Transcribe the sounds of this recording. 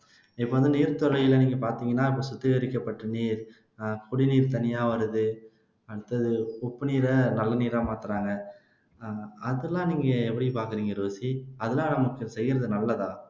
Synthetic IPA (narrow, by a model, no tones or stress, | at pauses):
ɪpːoːʋɐnd̪ɯniːɾt̪ɔɾɐjɪlɐniːŋɡɐpaːɾt̪iːŋɡɐnːaːɪp̬ːoːsʊt̪ːɯɣɐɾɪkːɐpːɐʈːɐniːɾ | kʊɽiniːɾt̪ɐnɪjaːʋɐɾɯðɯ | ɐɽɯt̪ːɐðɯɔpːɯniːɾɐnɐlːɐniːɾaːmaːt̪ɯɾaːŋɡɐ | ɐðɯlːãːniːŋɡɐɛpːɐɽipaːɾkɯɾiːŋɡɐɾoːsiɐðɯlãːnɐmɐkːɯsɛjːɪɾɐðɯnɐlːɐðãː